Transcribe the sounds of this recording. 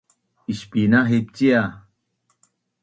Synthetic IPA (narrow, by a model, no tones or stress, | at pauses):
iʃpinaɦep̚t͡ɕia